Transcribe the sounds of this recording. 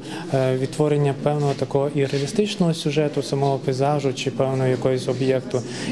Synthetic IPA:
ʋʲid̪̚t̪ʋɔɾenʲːɐpɛwnɔɦɔt̪ɐkɔɦɔʔiɾeɐlʲɪst̪ɪt͡ʃnɔɦɔsʲʊʒɛt̪ʊsɐmɔɦɔpʲizɑʒʊt͡ʃɪpɛwnɔɦɔjɐkɔjɔsʲɔbjɛkt̪ʊ

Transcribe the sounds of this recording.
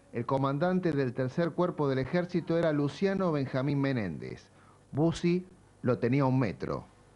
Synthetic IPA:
elko̞mãnd̪ant̪eðelt̪eɾseɾkweɾpoðelexeɾsit̪oeɾalusjano̞β̞e̞ŋxaminmenḛ̃nd̪ḛs | busi | lot̪eniaunmḛt̪ɾo̰

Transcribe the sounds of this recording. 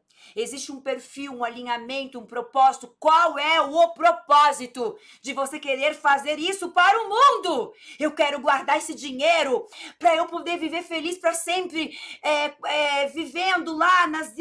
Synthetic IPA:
ezist͡ʃɪũpeɾfiwũalĩɲamẽnt̪ʊũpɾopɔzit̪ʊkwawɛʊpɾopɔzit̪ʊ | d͡ʒɪvosekeɾeɾfazeɾisʊpaɾʊmũnd̪ʊewkɛɾʊɡwaɾd̪aɾesɪd͡ʒiɲeɾʊpɾɐewpod̪eɾviveɾfelispɾɐsẽmpɾɪɛɛvivẽnd̪ʊlanɐz

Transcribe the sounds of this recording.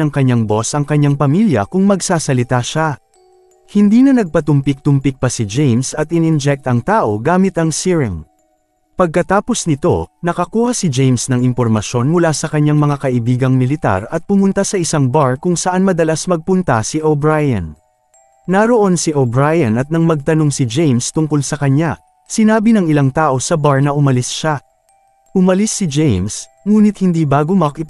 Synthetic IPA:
ɐŋkɐɲːaŋbo̞sʔɐŋkɐɲːaŋpɐmiljɐ̰kʊŋmɐɡsaːsɐlɪt̪aʃa | hɪnd̪iːnɐnɐɡ̚pɐt̪ʊmpɪk̚t̪ʊmpɪk̚pɐsid͡ʒejmsɐt̪ɪnɪnd͡ʒɛk̚t̪ɐŋt̪aːʔo̞ɡaːmɪt̪ɐŋsiɹɪŋ | pɐɡ̚kɐt̪aːpo̞snɪt̪o̞̰nɐkɐkuːhɐsɪd͡ʒejmsnɐŋɪmpoɾmɐʃjo̞nmʊlasɐkɐɲːaŋmɐŋakɐʔɪbiːɡɐŋmɪlɪt̪a̰ɾɐt̪̚pʊmʊnt̪asɐʔɪsaŋbaɹkʊŋsɐʔanmɐd̪ɐlasmɐɡ̚pʊnt̪ɐsiʔobɹajɐ̰n | nɐɾo̞ʔo̞nsiʔobɹajɐnɐt̪̚nɐŋmɐɡ̚t̪ɐno̞ŋsɪd͡ʒejmst̪ʊŋkolsɐkɐɲa | sɪnaːbinɐŋɪlaŋt̪aːʔo̞sɐbaɹnɐʔʊmɐlɪsʃa | ʔʊmɐlisːɪd͡ʒejms | ŋuːnɪt̪̚hɪnd̪iːbaːɡomɐkɪ

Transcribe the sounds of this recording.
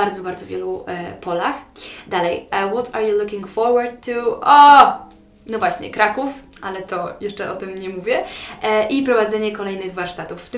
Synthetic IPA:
aɾd̪zɔbaɾd̪zɔvʲjɛlupɔlaxd̪alɛjwɔt̪ʰaɾjulukʲiŋɡfɔɾwaɾd̪̚t̪ːuʔɔ | nɔvwaɕɲɛ̰kɾakufʔalɛt̪ɔjɛʂt͡ʂɛʔɔt̪ɘmɲɛmuvʲjɛʔʔipɾɔvad̪zɛɲɛkɔlɛjnɘɣvaɾʂt̪at̪ufːt̪ɘ

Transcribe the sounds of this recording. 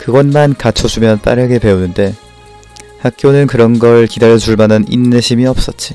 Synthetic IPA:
kɯɡʌnmankat͡ɕʰʌd͡ʑumjʌnt͈a̰ɾaɡe̞pe̞unɯnde̞ | hak̚k͈jonɯnkɯɾʌnɡʌɭkidaɾʌt͡ɕuɭmananinːeɕʰimiʌp̚s͈ʌt̚t͡ɕ͈i

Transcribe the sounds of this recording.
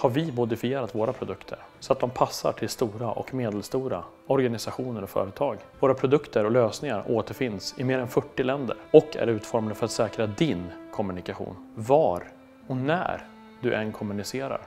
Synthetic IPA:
haɾvɪmʊd̪ɪfɪeːɾat̪voːɾapʰɾʊd̪ɵkt̪ʰə̰ɾsɔat̪̚d̪ɔmpʰasːa̰ʈʰɪlst̪uːɾaʔɔ̰kmeːd̪ɛlst̪uːɾa̰ | ɔɾɡanɪsaɧuːnəɾɔfœ̰ːɾət̪ʰɑːɡvoːɾapʰɾʊd̪ɵkt̪ʰəɾɔløːsnɪŋaɾoːt̪əɾfɪnːsɪmeːɾɛnfœʈːɪlɛnd̪ə̰ɾɔkʰːæ̰ɾʉ̟ːt̪fɔɾmad̪əfœɾat̪sɛːkɾad̪ɪnkʰɔmɵnɪkaɧṵːnvaːɾ | ɔnæ̰ɾ | d̪ɵʔɛnkʰɔmɵnɪseːɾa̰ɾ

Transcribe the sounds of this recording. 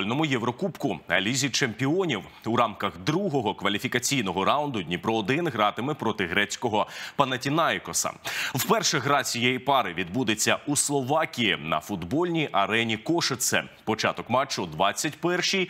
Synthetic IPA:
lʲnɔmʊjɛʋɾɔkupkʊɐ̰lʲizʲit͡ʃempʲiɔnʲiw | uɾɑmkɐɣd̪ɾuɦɔɦɔkʋɐlʲifʲikɐt͡sʲijn̪ɔɦɔɾawʊnd̪ʊdʲnʲipɾɔːd̪ɪnɦɾɑt̪ɪmɪpɾɔt̪ɪɦɾɛt͡sʲkɔɦɔpɐnɐtʲinɑjkɔsɐ̰wpɛrʃɛɦɾɑt͡sʲijɛjipɑɾɪʋʲid̪bud̪et͡sʲːɐuslˠɔʋɑkʲijinɐ̰fʊd̪bɔlʲnʲijʔɐɾɛnʲikɔʃet̪sɛ̰pɔt͡ʃɑt̪ɔkmɑt͡ʃːɔd̪ʋɑt͡sʲːɐtʲpɛrʃij

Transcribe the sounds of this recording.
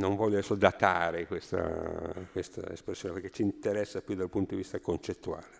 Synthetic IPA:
noɱvɔʎːoesod̪at̪aːɾekwest̪a̰kwest̪a̰ḛspɾesːjoːnepeɾk̟e̥t͡ʃint̪eɾɛsːapjud̪alpunt̪od̪ivist̪akont͡ʃet̪ːua̰ːle

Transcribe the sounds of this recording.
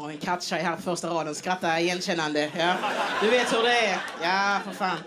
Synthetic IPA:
ɔɛnkʰat̪ːʂɛjɦæːɾpʰɔfœɾʂtaɾɑːd̪ənskɾat̪ːajɛnːɕɛnːand̪əjaːd̪̥ɵveːt̪hɵd̪ɛɛjaːfəɾfɑːn

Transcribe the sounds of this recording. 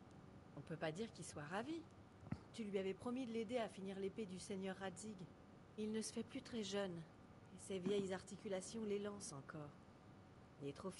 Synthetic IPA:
ɔ̃pøpad̪iʁkilswaʁavi | t̪ylɥiavɛpχɔmid̪əled̪eafiniʁleped̪ysenjœʁːad̪iɡ | ilnəsə̥fɛplyt̪χɛʒœn | esevjɛjzaʁt̪ikʲylasjɔ̃lelɑ̃sɑ̃kɔːʁ | ilɛt̪χof

